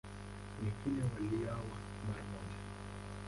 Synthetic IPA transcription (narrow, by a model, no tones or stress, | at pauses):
nɛkilɛwaliawa | maɾamɔd͡ʒa